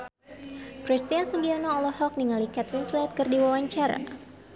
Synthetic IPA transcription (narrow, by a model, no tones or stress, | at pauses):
kɾist̪iansuɡianoːlɔhɔk̚niŋalikɛt̪insliat̪̚kɨrdiwawaɲt͡ʃaɾa̰